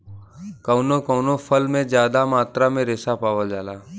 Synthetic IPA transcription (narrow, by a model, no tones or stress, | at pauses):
kəːnokəːnofʰəlmẽd͡ʒjaːd̪amaːt̪ɾamẽɾeːsapaːʋəld͡ʒaːlaː